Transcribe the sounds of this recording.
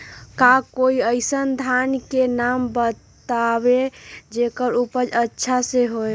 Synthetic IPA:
kakoiəɪsənd̪ʱankenambət̪abed͡ʒekəɾupəd͡ʒətːʃʰaseɦoj

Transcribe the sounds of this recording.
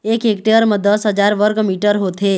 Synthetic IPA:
ekekʈeəɾməd̪əsɦəd͡ʒaɾʋəɾkmiʈəɾɦot̪ʰe

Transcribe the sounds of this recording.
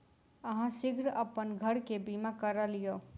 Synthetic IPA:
əɦãsiɡʱɾəpənɡʱəɽkebimakəɾəlijo

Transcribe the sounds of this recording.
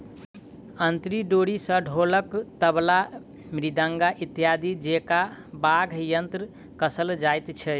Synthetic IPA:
ənt̪ɾiɖoɽisə̃ɖʱoləkt̪əbla | mɾid̪aŋɡaʔit̪jad̪id͡ʒekabaɡʱjənt̪ɾə | kəsəld͡ʒajt̪t͡ʃʰɛ

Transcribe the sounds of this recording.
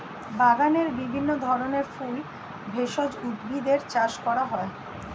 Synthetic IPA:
baɡaneɾbibʱinːod̪ʱɔɾoneɾful | bʱeʃod͡ʑud̪bid̪eɾt͡ɕaʃkɔɾaɦɔe

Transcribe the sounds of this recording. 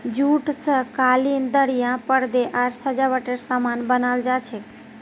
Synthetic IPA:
d͡ʒuːʈsəkaːlind̪əɽijãpəɽd̪eʔaɾsəd͡ʒaʋəʈeɾsaːmaːnbənaːld͡ʒat͡ʃʰe

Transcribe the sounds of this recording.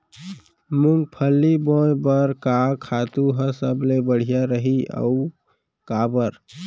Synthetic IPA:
muŋɡ̚pʰəlːibojbəɾkakʰat̪uɦə̃səblebəɽ̤ijaɾəɦiə̰u | kabəɾ

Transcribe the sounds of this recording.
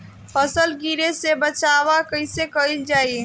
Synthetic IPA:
pʰəsəlɡiɾesebət͡ʃaʋakəɪsekəild͡ʒaːi

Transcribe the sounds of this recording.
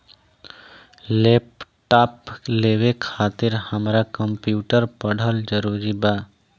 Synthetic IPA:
leːpʈaːpleːʋekʰaːt̪ɪɾhəmɾakəmpjuːʈəɾpəɽ̤əld͡ʒəɾuːɾibaː

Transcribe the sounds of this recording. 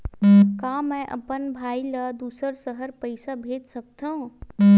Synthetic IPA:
kaːmɛ̃ʔə̰pənbʱaːilad̪uːsəɾsəɦəɾpəɪsabʱeːd͡ʒ̪sək̚t̪aɦũ

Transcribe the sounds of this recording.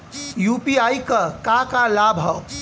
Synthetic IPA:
jupiajkəkakalabʱɦʌ

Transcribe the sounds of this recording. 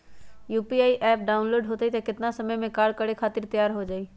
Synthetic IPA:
juːpiaːiʔɛːp̚ɖaːʊnloːɖɦot̪ait̪akɪt̪nasɐməjmẽkaːɾɽ̚kəɽekʰaːt̪ɪɾt̪ɐjaːɾɦod͡ʒaːiː

